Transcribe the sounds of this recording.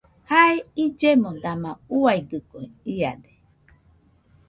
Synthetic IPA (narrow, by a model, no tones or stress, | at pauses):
haeid͡ʒemõd̪amãuaiɡɨkoeia̰de